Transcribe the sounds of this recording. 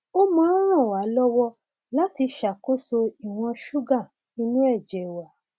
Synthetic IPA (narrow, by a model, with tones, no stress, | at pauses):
o˦mã˦ɾ̃ã˦˨wa˨˦lɔ˦wɔ˦ | la˦ti˧ʃa˨ko˦so˧i˨w̃ɔ̃˧ʃu˦ɡã˦˨ | ni˧nĩ˦ɛ˦˨d͡ʒɛ˨i˨wa˨˦